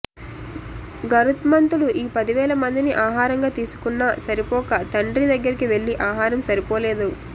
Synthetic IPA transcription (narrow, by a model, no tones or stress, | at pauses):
ɡɐɾut̪mɐnt̪uluʔiːpɐd̪iʋɛːlɐmɐnd̪iniʔaːɦaːɾɐŋɡaːt̪iːsu̥kunːɐsɐɾipɔːkɐt̪ɐɳɖɾid̪ɐɡːɐɾikiʋe̞ɭːiʔaːɦaːɾɐmsɐɾipɔːleːd̪u